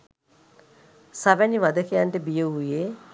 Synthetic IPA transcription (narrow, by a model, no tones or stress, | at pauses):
saʋæniʋad̪əkejaɳʈəbijəuje